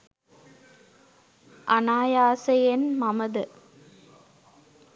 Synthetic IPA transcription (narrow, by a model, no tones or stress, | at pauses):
ʔɐnaːjaːsɐjenmɐmɐðɨ